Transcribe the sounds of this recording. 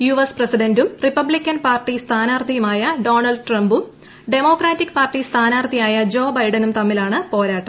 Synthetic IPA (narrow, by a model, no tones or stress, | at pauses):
juʋɐsprɐsiɖɐndumripːɐbɭikʲːɐnpaːrʈːist̪ʰaːnaːrt̪ʰijɐmaːjɐɖo̞ːnɐlɖɨʈrɐmbum | ɖe̞mo̞ːkraːtːikːpaːrʈːist̪ʰaːnaːrt̪ʰijaːjɐd͡ʑo̞ːbɐjɖɐnumt̪ɐmːilaːɳɨpo̞ːɾaːʈːɐm